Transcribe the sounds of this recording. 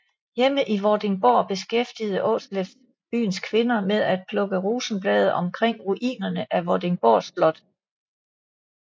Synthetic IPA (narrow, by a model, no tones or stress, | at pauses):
jeməʔiʋɒd̥e̝ŋb̥ɒːb̥e̝sɡ̥efd̥ið̞̩ˠəʔɔ̰̽ːslef | b̥y̰ːn̩skʰʋe̝nɐmeðˠæd̥̚pʰlɔ̽ɡ̥əʁuːsn̩b̥lɛ̰ːð̞̩ˠʔɒ̽mkʰʁeŋ̰ʁuʔḭːnɐnəʔæʋɒd̥e̝ŋb̥ɒ̰ːsb̥lɒ̽d̥